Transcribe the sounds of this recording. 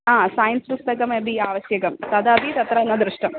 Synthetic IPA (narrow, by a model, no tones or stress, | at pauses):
aːsaːjɐnspust̪ɐkɐmebiaːʋɐɕjɐɡɐmt̪ɐd̪aːbit̪ɐt̪ɾɐnːɐd̪ɾɨʂʈɐm